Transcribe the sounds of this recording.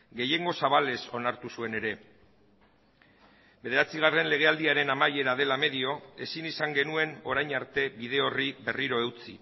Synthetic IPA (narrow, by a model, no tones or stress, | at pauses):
ɡe̞je̞ŋɡo̞saβ̞ale̞so̞naɾt̪usue̞ne̞ɾe̞ | be̞ðe̞ɾat͡siɣ̞are̞nle̞ɣ̞e̞ald̪iaɾe̞namaje̞ɾaðe̞lame̞ðio̞e̞sinisaŋɡe̞nue̞no̞ɾajɲaɾt̪e̞βið̞e̞o̞riβe̞riɾo̞e̞wt͡sḭ